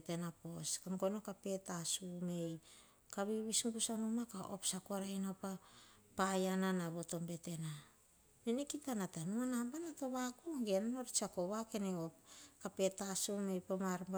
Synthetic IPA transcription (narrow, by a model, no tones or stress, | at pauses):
tenapo̞skaŋɡo̞nokape̞tasume̞j | kaβiβisŋɡusanumakaʔo̞̰psakoaɾajnapa | pajananaβoto̞mbe̞te̞na | nenekitanatanuanambanato̞βakuŋɡenano̞ɾit͡ʃakoβake̞neop̚kape̞tasume̞jpomaɾmb